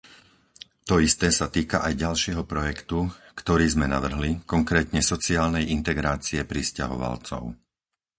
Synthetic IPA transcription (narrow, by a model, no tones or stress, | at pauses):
t̪ɔist̪ɛːsat̪iːkaʔajɟalʃɪɛɦɔpɾɔjɛkt̪ukt̪ɔɾiːzmɛna̰ʋr̩ɦlikɔŋkɾɛːt̪ɲɛsɔt͡siaːlnɛjint̪ɛɡɾaːt͡siɛpɾisca̰ɦɔ̰ʋa̰lt͡sɔ̰ʊ